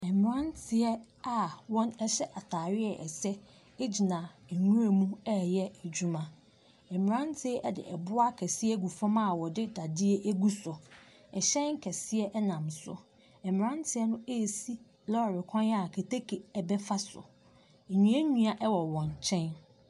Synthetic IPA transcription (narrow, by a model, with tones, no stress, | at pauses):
ɛ˨m˨ɾã˦n˦tʰɪ˨ɛ˦ | a˨wɔ̃˦nɛ˦ɕɛ˦ʔa˨tʰaː˨ɾɪ˦ɛ˨ʔɛ̰˨sɛ˦ | e˦d͡ʑi˨nã˨ɛ˨ɲũ˦ɾe˨mũ˦ɛ˦jɛ˦æ˨d͡ʑu˦mã˦ | ɛ˨m˨ɾã˦n˦tʰɪ˦ɛ˦ʔɛ˦dɪ̰˨ʔɛ̰˨bʊ˦a˦kʰɛ˨sɪ˦ɛ˦ɡu˨fɔ̃˦ma˦˨wɔ˨dɪ˦da˨dɪ˦e˦ʔæ˦ɡu˦sɔ˨ | ɛ˨ɕɛ̃˦n˦kʰɛ˨sɪ˦ɛ˦ʔɛ˦nã˨msʊ̰˦ | ɛ˨m˨ɾã˦n˦tʰɪ˨ɛ˦nʊ̃˦e˦˨si˦ | lɔ˦˨ɾɪ˨kʰɔ̃˦n˦a˨kʰe˨tʰe˦kʰe˨ɛ˨bɛ˦fa˦sʊ̰˨ | ɲĩ˨ɛ˦ɲũ˦a˨ʔɛ˦wɔ˨wɔ̃˨nt͡ɕʰɛ̃˦n